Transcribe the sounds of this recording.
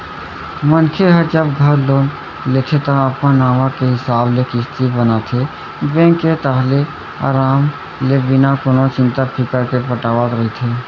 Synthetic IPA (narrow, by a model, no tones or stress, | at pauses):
mənkʰeɦəd͡ʒəbɡʱɐɾloːn | let̪ʰet̪ɐapkãnaːʋakeɦɪsaːblekɪst̪ibənat̪ʰe | bẽːŋkːet̪aɦle | a̰ːɾaːm | lebɪnakʊnot͡ʃɪ̃nt̪apʰɪkəɾkepəʈaːʋat̪ɾɐɦit̪ʰeː